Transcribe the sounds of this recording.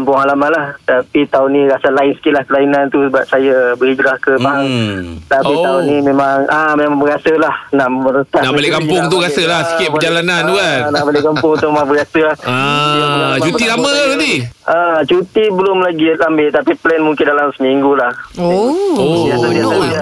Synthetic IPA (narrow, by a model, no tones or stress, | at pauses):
kampʊŋalamalaht̪apit̪aunĩɾasalaɪnsə̥kɪʔ̪lahkəlainãnt̪usəbap̚sajabəɾiɡɾahkəbaŋt̪apit̪aunimẽmaŋʔamemãbəɡasəlahnaʔmməɾət̪anaʔbalɪʔkampʊŋtt̪uɣasəlahsə̥kɪt̪̚bəd͡ʒalanand̪uanaʔbalɪʔkampʊŋut̪ʊʔmmabəɾasəlahaat͡ʃut̪ilamə̃aat̪iʔat͡ʃut̪ibəlʊmlaɡiambɪʔt̪apiplɛnmuŋkɪndalamsəmiŋɡulahoiasadiaaa